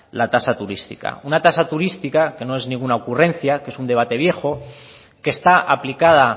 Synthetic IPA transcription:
lat̪asat̪uɾist̪ḭka̰unat̪asat̪uɾist̪ikake̞no̞e̞znĩŋɡunaokurẽ̞n̟θjakee̞sund̪e̞βat̪e̞β̞je̞xo̞ | ke̞st̪aʔaplikað̞a

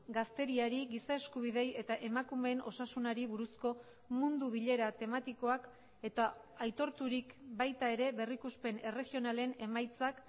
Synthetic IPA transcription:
ɡast̪e̞ɾiaɾiɡisae̞skuβ̞iðe̞je̞t̪aʔe̞makume̞ːnʔo̞̰sasunaɾiβuɾusko̞ | mund̪uβ̞iʎe̞ɾat̪e̞mat̪iko̞ak | e̞t̪aajt̪o̞ɾt̪uɾikbajt̪ae̞ɾe̞βe̞rikuspe̞ne̞re̞ɣio̞nale̞ne̞majt͡sak

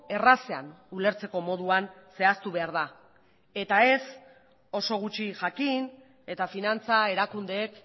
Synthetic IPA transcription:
e̞rasea̰nule̞ɾt͡se̞ko̞mo̞ðuan | se̞ast̪uβe̞aɾð̞a | e̞t̪ae̞s | o̞so̞ɣ̞ut͡ʃiʝakin | e̞t̪afinant͡sae̞ɾakund̪e̞ːk

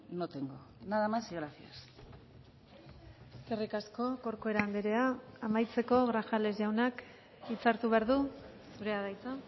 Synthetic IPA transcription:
not̪eŋɡonaðamasiɣɾafias | serikasko̞ko̞ɾkoe̞ɾand̪eɾe̞aːmajt͡se̞ko̞ɣɾaʝale̞zʝawnak | it͡saɾt̪uβe̞aɾðu | suɾe̞aðajt͡sa

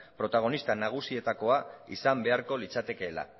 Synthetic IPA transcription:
pɾo̞t̪aɣ̞o̞nist̪anaɣ̞usie̞t̪ako̞aḭsambe̞aɾko̞lit͡sat̪e̞ke̞ːla̰

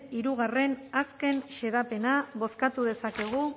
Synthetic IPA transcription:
iɾuɣ̞are̞naske̞nʃe̞ðape̞naβo̞skat̪uðe̞sake̞ɣ̞u

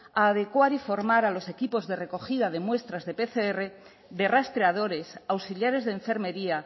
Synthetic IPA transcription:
aːðe̞kwaɾifo̞ɾmaɾalo̞se̞kipo̞zðe̞re̞ko̞xiðað̞e̞mwe̞st̪ɾazðe̞pe̞θeere̞ | ðe̞rast̪ɾeað̞o̞ɾe̞sawsiljaɾe̞zðeɱfe̞ɾme̞ɾia

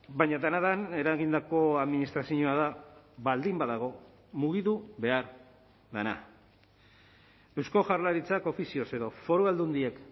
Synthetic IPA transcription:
baɲad̪anaðane̞ɾaɣind̪ako̞aðminist̪ɾasiɲoaðaβald̪imbaðaɣ̞o̞ | muɣiðuβe̞aɾ | ðana̰ | e̞wsko̞ʝaɾlaɾit͡sako̞fisio̞se̞ðo̞fo̞ɾuald̪und̪ie̞k

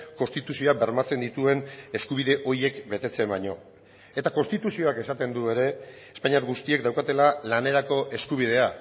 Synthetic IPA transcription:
ko̞nst̪it̪usio̞abe̞ɾmat͡se̞nd̪it̪ue̞ne̞skuβ̞iðe̞ʔo̞ɾje̞kbe̞t̪e̞t͡se̞mbaɲo̞ | e̞t̪ako̞nst̪it̪usio̞ake̞sat̪e̞nd̪ue̞ɾe̞ː | spaɲaɾɣust̪ie̞k̚d̪awkat̪e̞lalane̞ɾako̞ʔe̞skuβ̞ið̞e̞a

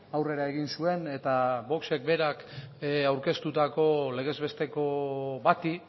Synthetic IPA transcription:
awre̞ɾae̞ɣ̞insue̞ne̞t̪aβo̞kse̞k̚be̞ɾakawɾke̞st̪ut̪ako̞le̞ɣ̞e̞zβe̞st̪e̞ko̞βat̪i

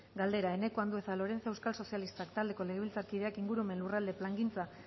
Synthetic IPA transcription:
ɡald̪e̞ɾae̞ne̞koand̪ue̞salo̞ɾe̞nt͡saewskalso̞sialist̪akt̪ald̪e̞ko̞le̞ɣe̞βilt͡saɾkið̞e̞akiŋɡuɾuome̞nlurald̪e̞plaŋɡint͡sa

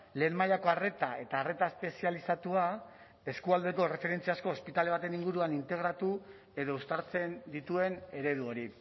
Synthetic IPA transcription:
le̞ːnmajako̞are̞t̪ae̞t̪aːre̞t̪aespe̞sialisat̪ua | e̞skuald̪e̞ko̞re̞fe̞ɾe̞nt͡siasko̞ːspit̪ale̞β̞at̪e̞niŋɡuɾuanint̪e̞ɣɾat̪u | e̞ðo̞ust̪aɾt͡se̞nd̪it̪ue̞ne̞ɾe̞ðuo̞ɾi

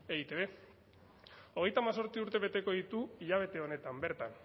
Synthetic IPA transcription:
eit̪eβe̞ | o̞ɣ̞e̞jt̪aːmas̬o̞ɾt͡siuɾt̪e̞βe̞t̪e̞ko̞ðit̪uiʎaβ̞e̞t̪e̞o̞ne̞t̪ambe̞ɾt̪an

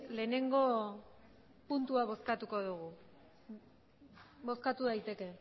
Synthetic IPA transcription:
le̞ːne̞ŋɡo̞ | punt̪uaβo̞skat̪uko̞ðuɣu | bo̞skat̪uðajt̪e̞ke̞

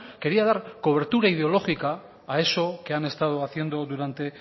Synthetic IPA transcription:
ke̞ɾiað̞aɾko̞β̞e̞ɾt̪uɾaið̞eo̞lo̞xikaː | e̞so̞ke̞ane̞st̪að̞oaθje̞nd̪o̞ðuɾant̪e̞

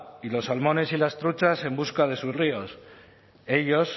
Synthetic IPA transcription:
ilo̞sːalmo̞ne̞silast̪ɾut͡ʃase̞mbuskað̞e̞susrio̞s | e̞ʎo̞s

